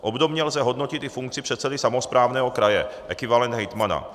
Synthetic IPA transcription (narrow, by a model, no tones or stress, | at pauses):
ʔobd̪omɲɛlzɛɦod̪nocɪt̪ɪfuŋk̚t͡sɪpr̥ɛt̪sɛdɪsamospɾaːvnɛːɦo̞kɾajɛ̰ʔɛkɪvalɛnd̪ɦɛjt̪mana̰